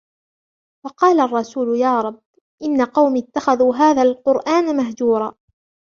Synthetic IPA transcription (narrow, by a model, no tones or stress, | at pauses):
wɑqɑːlarˤːɑsuːlʊjaːɾˤɑbː | ʔɪnːaqɑwmiːt̪ːaxaðuːɦaːðaːlqʊɾʔaːnmaɦd͡ʒuːɾˤɑː